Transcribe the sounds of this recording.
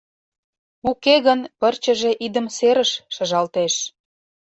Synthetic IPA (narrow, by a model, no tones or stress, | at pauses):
ukeɣənpərt͡ɕə̆ʒeʔid̪ə̆mseɾəʃːɤʒɑlt̪eʃ